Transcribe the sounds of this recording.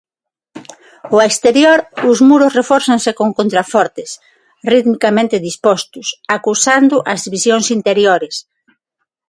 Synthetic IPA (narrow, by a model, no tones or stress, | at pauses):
oekst̪eɾjoɾʊzmuɾʊsrefɔɾθansekoŋkont̪ɾafɔɾt̪ɪs | riðmikamẽnt̪ɪðispɔst̪ʊsakusand̪ʊʔazðiβisjoŋsint̪eɾjoɾes